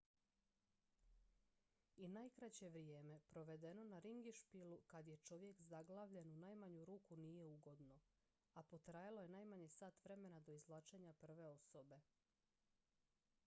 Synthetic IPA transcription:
inajkɾat͡ɕe̞ʋɾijeːme̞pɾo̞ʋe̞d̪e̞no̞naɾiŋɡiʃpilukad̪je̞t͡ʃo̞ʋje̞kzaɡlˠaːʋʎe̞nunaːjmaɲuɾuːkunije̞uɡo̞d̪no̞ | apo̞t̪ɾajalˠoje̞najmaɲesaːt̪ʋɾe̞me̞nad̪o̞izlˠaːt͡ʃe̞ɲapr̩ʋe̞o̞so̞be̞

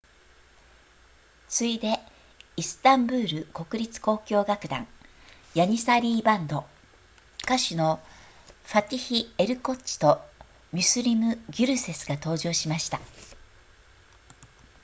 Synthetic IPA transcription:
t͡sɨid̪e̞ | isɨ̥t̪ãmbɯ̟ːɾɯ̟ko̞kɯ̟ɾʲit͡sɨ̥ko̞ːkʲo̞ːɡakɯ̟d̪ã̰ŋ | jaɲ̟isaɾʲiːbãnd̪o̞ | kaɕɨno̞ | ɸat̪ʲiçie̞ɾɯ̟ko̞t͡ɕi̥t̪o̞ | mʲɨsɨɾʲimɯ̟ɡʲɨɾɯ̟se̞sɨɡat̪o̞ːʑo̞ːɕimaɕi̥t̪a

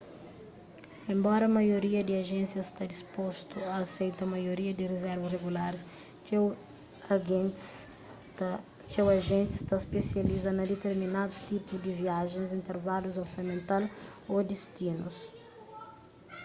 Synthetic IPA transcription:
ẽmbɔɾɐmɐjoɾiɐd̪ɪɐʒẽnsjɐst̪ad̪ispost̪uɐːsejt̪ɐmɐjoɾiɐd̪ɪrezɛɾvɐsreɡulaɾs | w | t͡ʃɛwɐʒẽnt̪ɪ̥st̪aspesjɐlizɐnɐd̪et̪eɾminad̪ust̪ipuzd̪iviaʒẽzĩnt̪eɾvaluzoɾsɐmẽnt̪alod̪ist̪inus

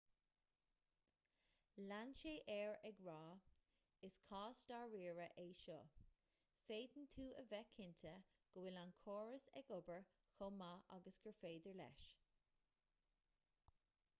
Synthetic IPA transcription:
lanʃeːʔɛɹɛɡɹɑː | ɪskʰɑːstaɹiːɹəʔeːʃɔ̰ | feːd̪ənt̪ʰuːəvɛkʰɪnt̪ʰə | ɡ̥əwɪlankʰoːɹəsɛ̰ɡʊbəɹ | xomaʔa̰ɡəsɡ̥əɹfeːd̪əɹlɛ̰ʃ

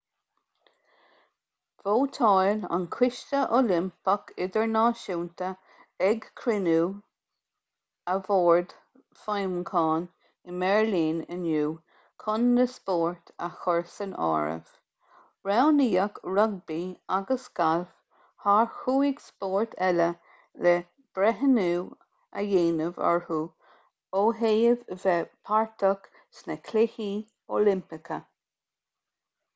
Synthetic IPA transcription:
voːt̪ʰɑjla̰nkʰwɪʃtəʔolɪmpəkʰɪd̪əɹnɑːʃuːnt̪ə | ɛɡkʰɾɪnuː | əvoːɹd̪ | fajmkʰɑːn | ɪmɛɹliːnənjuː | kʰɔnːəspoːɹt̪ʰəxɔɹsənɑ̰ːɹə̰v̥ | ɹawniːəkɾɔɡ̚biːaɡəsɡ̥alf | haɹxuːɪɡspɔːɹt̪ʰɛlə | lɛ | b̥ɾɛɦənuː | a̰jeːnəvɔ̰ɹhuː | oːɦeːjəvvɛpʰaɹt̪ʰɔk | snəkʰlɪhi | oːlɪmpɪkʰə

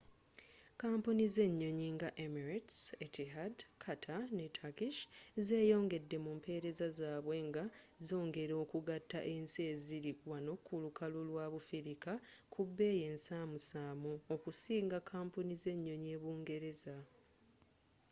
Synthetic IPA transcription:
kaːmpunize̞ɲːo̞ɲiŋɡaʔemiɾetsetiɦadkʰatʰanetʰakiʃze̞ːjo̞ːŋɡe̞dːe̞mumpʰe̞ːɾe̞zazaːβwe̞ŋɡazo̞ːŋɡe̞ɾo̞ːkuɡatːa̰ʔe̞nsieziɾikwano̞kulukalulwaːβufiɾikakʰubːe̞ːje̞nsaːmusaːmuokusiːŋɡakʰaːmpunize̞ɲːo̞ɲe̞ːβuːŋɡe̞ɾe̞za

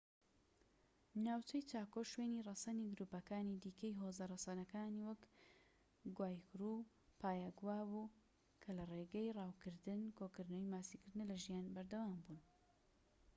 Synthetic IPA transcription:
naːwt͡ʃɛjt͡ʃaːkoʃweːnirˤɑsɐniɡɨɾuːpɐkaːnid̪iːkɐjɦoːzɐrˤɑsɑnɐkaːniwɐk | ɡwaːjkɾu | pʰaːjaɡwaːbu | kʰɐlɐreɡɐjrɑːwkɨɾd̪ɨnkʰokɨɾnowjmaːsikɨɾd̪ɨnɐlɐʒijaːnbɐɾd̪ɐwaːmbuːn

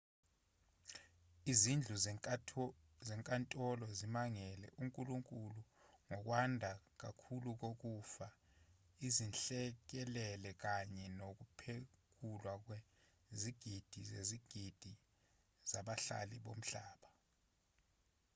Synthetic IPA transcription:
izind͡ɮʱu | zɛŋkʼantʼɔlɔzimaŋɛlɛ̰ʔuŋkʼuluŋkʼulu | ŋɔk̬wandʱak̬akʰuluk̬ok̬ufa | izinɬɛk̬ɛlɛlɛk̬aɲɛnok̬upʰek̬ʰulwak̬we | ziɡ̥ʱid̥ʱizḛziɡ̥ʱid̥ʱi | z̥aɓaɬa̰liɓom̩ɬaːɓa

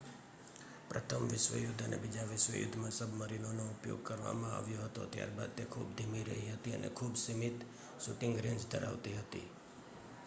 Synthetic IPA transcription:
pɾət̪ʰəmʋɪʃʋə̰jʊd̪ʱənḛbid͡ʒaʋɪʃʋə̰jʊ̰d̪ʱːmãsəbʱməɾinonoʊpjo̰ɡ̚kəɾʋa̰mãaʋjoɦət̪o̰t̪ja̰ɾbad̪̚t̪ekʰubd̪ʱimiɾəɦiɦət̪iə̰nʔḛkʰubsimit̪ | suʈɪ̃ŋɡɾɪ̃nd͡ʒd̪ʱəɾa̰ʋt̪iɦət̪ḭ

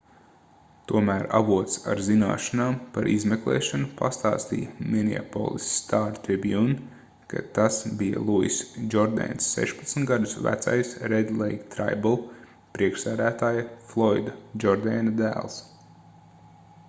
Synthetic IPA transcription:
t̪uɔmæːɾa̰vuɔt̪sa̰ɾzina̰ːʃanaːmpaɾʔizmeklˠḛːʃanupa̰st̪a̰ːst̪ḭjɐmʲinʲḭa̰po̰ːlˠisːt̪aːɾt̪ɾibjun | kʰa̰t̪asbijɐ̰lˠuḭsd͡ʒɔɾd̪ɛ̰nsːɛ̰ʃpɐt̪sn̩t̪ɡad̪usvæ̰t̪sa̰jsɾɛd̪lˠejkt̪ɾa̰jbulˠ | pɾiɛkʃsæːd̪æːt̪aːjɐflˠɔjd̪ɐd͡ʒɔɾd̪ɛːnɐd̪æ̰ːlˠs

